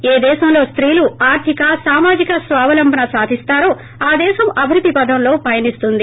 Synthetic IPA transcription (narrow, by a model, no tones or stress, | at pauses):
eːd̪ɛːʃɐmlo̞ːst̪ɾiːluaːɾt̪ʰikɐsaːmaːd͡ʒikɐsʋaːʋɐlɐmbʱɐnɐsaːd̪ʱist̪aːɾoː | aːd̪ɛːʃɐmɐbʱiɾud̪ːipɐd̪ʱɐmlo̞ːpɐjɐnist̪und̪i